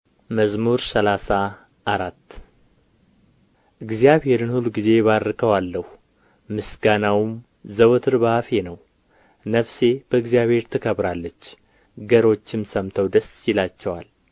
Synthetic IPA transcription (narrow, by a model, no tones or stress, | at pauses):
məzmuɾsəlasa | ʔːɾat̪ː | ʔɨɡzijaβhe̞ɾɨnhuluɡize̞βaɾɨkʰəwalːəh | mɨsɡanawm | zəwt̪ʰɨɾbafe̞nəw | nəfse̞b̥əɨɡzijaβhe̞ɾt̪ʰɨkʰəβɾalːət͡ʃː | ɡəɾo̞t͡ʃːɪmsəmt̪ʰəwd̪əsjɪlat͡ʃːɛwa̰l